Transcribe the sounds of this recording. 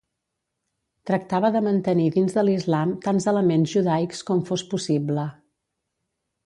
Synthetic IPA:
t̪ɾək̚t̪aβəðəmənt̪əniðinzðəlizlamt̪anzələmenzʒuðajkskɔmfospusiblə

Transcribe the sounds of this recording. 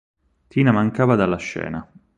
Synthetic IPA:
t̪ʰiːnamaŋkaːvad̪alːaʃːɛ̰ːna

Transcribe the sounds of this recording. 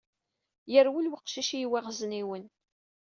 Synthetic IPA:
jəɾwilwiqʃiʃijwæʁzniwən

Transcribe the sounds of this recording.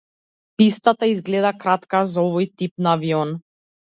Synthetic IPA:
pist̪at̪aizɡlɛd̪akɾat̪kazaɔvɔjt̪ip̚naːviɔn

